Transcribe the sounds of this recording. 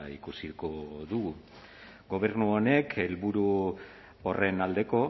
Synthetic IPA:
ḭkusikoðuɣu | ɡo̞β̞e̞ɾnuone̞kʰe̞lβuɾu | ore̞nald̪e̞ko̞

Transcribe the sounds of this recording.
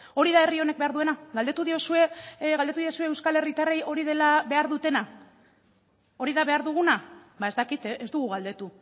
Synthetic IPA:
o̞ɾiðae̞rio̞ne̞k̚be̞aɾðue̞naɣald̪e̞t̪uðio̞sue̞ɣald̪t̪uðio̞sue̞ːwskale̞rit̪are̞jo̞ɾiðe̞laβe̞aɾðut̪e̞na | o̞ɾiðaβe̞aɾðuɣ̞unabaest̪akit̪ʔezd̪uɣ̞uɣald̪e̞t̪u

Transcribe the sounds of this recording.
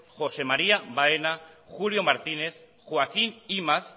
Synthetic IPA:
xo̞se̞maɾiaβaenaxulio̞maɾt̪ine̞θ | xwakinimas

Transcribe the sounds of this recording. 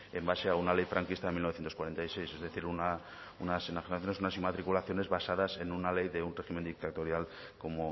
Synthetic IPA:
embase̞aunalejfɾʔaŋkist̪aðemilnoθjent̪oskwaɾe̞nt̪ajse̞jse̞zðe̞θiɾuna | unasinaxinaθjonesunasimat̪ɾikulaθjo̞ne̞zβasaðase̞nunale̞jðe̞unre̞ximend̪ik̚t̪at̪o̞ɾjal | ko̞mo

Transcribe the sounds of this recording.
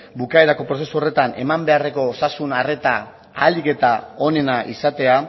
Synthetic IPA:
bukaeɾako̞pɾo̞se̞suo̞re̞t̪ane̞̰mambe̞are̞ko̞sasunare̞t̪a | aːlike̞t̪ao̞ne̞naʔisat̪e̞a

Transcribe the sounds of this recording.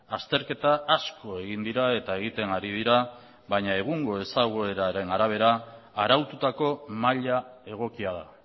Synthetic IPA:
ast̪e̞ɾke̞t̪aasko̞e̞ɣind̪iɾae̞t̪ae̞ɣ̞it̪e̞ŋɡaɾið̞iɾa | βaɲae̞ɣ̞uŋɡo̞e̞saɣoeɾaɾe̞naɾaβ̞e̞ɾaaɾawt̪ut̪ako̞maʎae̞ɣ̞o̞kiaða

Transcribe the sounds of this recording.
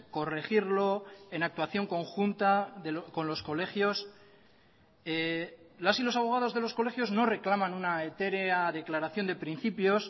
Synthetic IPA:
ko̞re̞xiɾlo̞e̞nak̚t̪waθjo̞ŋko̞ŋxunt̪aðeko̞nlo̞sko̞le̞xjo̞s | elasilo̞saβo̞ɣ̞að̞o̞zðe̞lo̞sko̞le̞xjo̞zno̞re̞klamãnunae̞t̪e̞ɾeaðe̞klaɾaθjo̞nd̪e̞pɾin̟θipjo̞s

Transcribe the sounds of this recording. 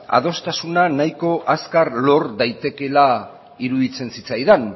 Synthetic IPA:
a̰ð̞o̞st̪asunanajko̞ʔaskaɾlo̞ɾðajt̪e̞ke̞la | iɾuðit͡se̞nsit͡sajðan

